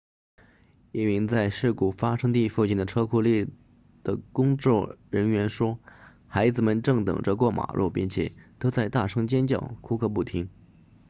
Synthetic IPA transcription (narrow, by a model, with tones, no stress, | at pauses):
ɛ˥˩mi˧˥ŋt͡sa˥˧ɪʂɻ̩˥˩ku˨˩fa˥ʂɤ˥ŋt̪i˥˧fu˥˧t͡ɕi˥˩nd̪ə˩ʈ͡ʂʰɤ˥kʰu˥˧lji˥˩ | d̪̥ə˩kʊ˥ŋt͡sɔ˥˩ɻə˧˥nɥɛ˧˥nʂwɔ˥ | xa˧˥ɪd͡zɹ̩˧mə˨nʈ͡ʂɤ˥˩ŋt̪ɤ̰˨˩ŋʈ͡ʂə˧kwɔ˥˩mʔa̰˨˩ɻʔɔ̰˥˩pi˥˧nt͡ɕʰjɛ̰˨˩t̪ʰo˥t͡sa˥˧ɪt̪a˥˩ʂʰɤ˥ŋt͡ɕjɛ˥nt͡ɕjɑ̰˥˩ʊkʰu˥kʰɤ˥˧p̬u˥˩t̪ʰi˧˥ŋ